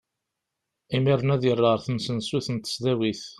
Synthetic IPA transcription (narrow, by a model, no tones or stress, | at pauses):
imiɾˤːnæðjərˤːəəɾθənsənsuθənt̪ə̥sðæwiθ